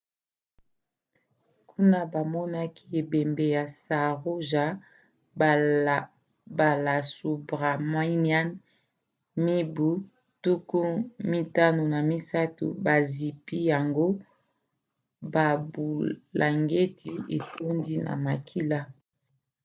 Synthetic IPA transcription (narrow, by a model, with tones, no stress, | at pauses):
kʰu˦na˦ba˨mɔ˦na˦kʰi˦e˨be˨mbe˨ja˨sa˨ʁo˦ʒa˨˦˨ | ba˨la˨su˨bʁa˨ma˦ni˦a˦n | mi˦bu˦ | tu˦ku˦mi˦ta˦no˨na˨mi˦sa˦tṵ˨ba˨zi˨pi˦ja˨ŋɡo˦ | ba˨bu˨lʔa˨ŋɡe˦tʰi˨e˨to˦ndi˦na̰˨ma˨kʰi˦la˦